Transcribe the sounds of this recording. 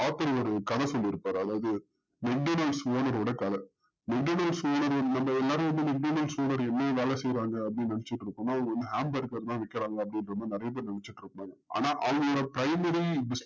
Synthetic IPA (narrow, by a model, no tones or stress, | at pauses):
aːt̪ːɐɾɔɾɯkɐðɐsɔlːɪɾɯpːaːɾɯɐðaːʋɐðɯ | mɛɡ̚ɖonɐlsʋoːnɐɾoːɽɐkɐðɐ | mɛɡɖoːnɐlsoːnɐɾɐnɐmːɐɛlːaːɾɯʋɐnd̪ɯmɛɡ̚ɖoːnɐlsʋoːnɐɾɛnːeːʋeːlɛsɛjɾaːŋɡɐɐpːɐɽinnɐnɛt͡ʃːɪʈːɾɯkːʊnːaːɐʋɐŋɡɐʋɐnd̪ɯɦaːmbɐɾkːɐɾt̪ãːʋɛkːɐɾaːŋɡɐɐpːɐɽɪnɾɐnːanɪɾɐjɐp̬ːeːɾnɐɳɛt͡ʃːɪʈːɪɾɯkːɐɽaːŋɡɐa̰ːnaːʔɐʋɐŋɡɐɔɽɐpɪɾɐɪmɐɾibɪs